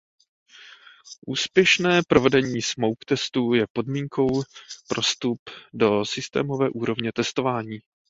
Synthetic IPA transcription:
ʔuːspjɛʃnɛːpɾo̞vɛdɛɲiːsmowkt̪ɛst̪ujɛpo̞dmiːŋkʰo̞wpɾʔo̞st̪updo̞sɪst̪ɛ̰ːmo̞vɛːʔuːɾo̞vɲɛt̪ɛst̪o̞vaːɲiː

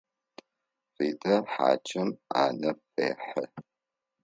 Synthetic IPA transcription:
riːdɐħa̰ːt͡ʃʰɪma̰ːnɐpḛːħɐ

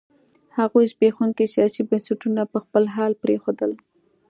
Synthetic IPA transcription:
haɣojzbexuŋkesijɑsibansaʈunapəxpəlɦɑlpɾexod̪əl

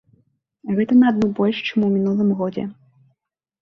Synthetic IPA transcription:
ɣɛt̪ɐnɐːd̪nubɔlʲʂt͡ʂɨmuwmʲinulˠɨmɣɔd͡zʲɛ̰

